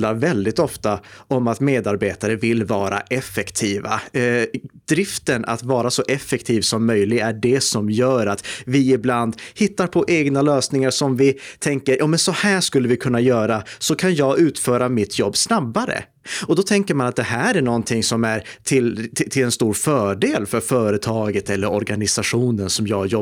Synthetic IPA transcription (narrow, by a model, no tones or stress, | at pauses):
laɾvɛld̪ɪt̪ɔft̪aɔmat̪meːd̪aɾbeːt̪aɾəvɪlvɑːɾa̰ʔɛfːɛkt̪ʰiːva̰ | d̪ɾɪft̪ənʔa̰t̪vɑːɾasɔʔɛfːɛkt̪ʰiːvsɔmːœjlɪɡæɖɛsɔmjœːɾat̪vɪɪbland̪hɪt̪ːaɾpʰɔʔɛɡnaløːsnɪŋaɾʂɔmvɪt̪ʰɛŋkəɾjʔɑːmɛnsɔhæːʂkɵlːəvɪkʰɵnːajœːɾasɔkʰanjɑːɡʉ̟ːt̪fœːɾamɪt̪ʰjɔbːsnabːaɾə̰ | ɔd̪ɔt̪ʰɛŋkəɾmanat̪̚d̪ɛhæːɾæɳɔnt̪ʰɪŋsɔmæɾt̪ʰɪlt̪ʰɪlɛnst̪uːɾfœːɖeːlfœɾfœːɾət̪ʰɑːɡət̪ɛlːəɾɔɾɡanɪsaɧuːnənsɔmjɑːjɔ